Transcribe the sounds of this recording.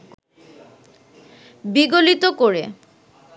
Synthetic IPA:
biɡolit̪okoɾe

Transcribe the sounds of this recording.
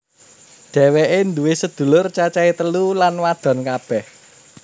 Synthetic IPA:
ɖ̪̥ɛ̤weʔend̪uwesəd̪̥ṳlʊrt͡ʃat͡ʃait̪əlulanwad̪̥ɔ̤nkab̥ɛh

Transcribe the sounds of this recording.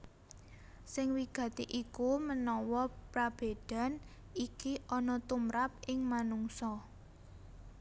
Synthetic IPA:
sɪŋwiɡ̥ä̤t̪iʔikumənɔwɔpɾab̥e̤d̪̥a̤n | ikiʔɔnɔt̪umɾap̚ʔɪŋmanuŋsɔ

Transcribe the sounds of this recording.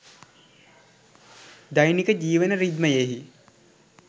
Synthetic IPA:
d̪ajnikəd͡ʒiːʋənəɾid̪məjeɦi

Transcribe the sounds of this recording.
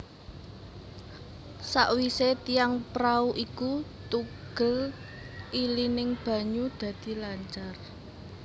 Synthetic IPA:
sa̰ʔwiset̪ijaŋpɾauʔikut̪uɡ̥ə̤l | ʔilinɪŋb̥a̤ɲud̪̥ä̤d̪̥i̤laɲt͡ʃar

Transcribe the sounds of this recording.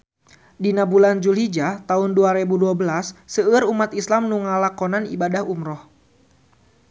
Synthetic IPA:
dinabuland͡ʒulɦid͡ʒat̪aʊnduaɾebuduabəlasːəəɾumat̪islamnuŋalakɔnanḭbadahumɾɔh

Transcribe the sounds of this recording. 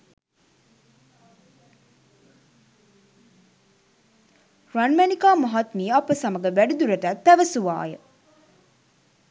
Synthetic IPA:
ɾanmænikaːmɐɦɐt̪miːɐpəsɐməɡəʋæɖud̪uɾəʈæt̪t̪ːæʋəsuʋa̰ːjə

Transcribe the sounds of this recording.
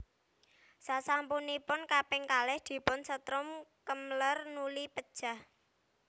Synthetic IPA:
sasampunipʊnkapɪŋkalɛhd̪̥i̤pʊnsət̪ɾʊmkəmlərnulipəd̥ʒ̥a̤h

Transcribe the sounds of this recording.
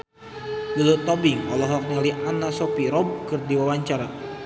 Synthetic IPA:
ɡulut̪ɔbɪŋwalɔɦlɔk̚ɲaliʔanasɔpiɾɔb̚kɨrdiwawaɲt͡ʃaɾa

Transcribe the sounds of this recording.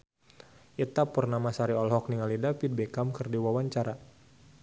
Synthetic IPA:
ʔit̪apərnamasaɾiɔlɦɔk̚niŋalidapid̪̚bɛkamkɨrdiwawaɲt͡ʃaɾa

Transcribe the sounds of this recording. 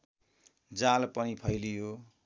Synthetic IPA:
d͡zalpʌnipʰʌjlijo

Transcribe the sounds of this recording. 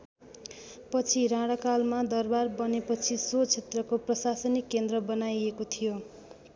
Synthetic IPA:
pʌt͡sʰiɾãɽʌkalmad̪ʌrbarbʌnepʌt͡sʰisot͡sʰet̪rʌkoprʌsasʌnikːend̪rʌbʌnajekot̪ʰijo

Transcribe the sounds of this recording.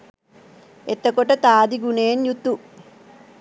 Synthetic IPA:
et̪ːɐkoʈɐt̪aːd̪iɡuneːnjut̪ːu

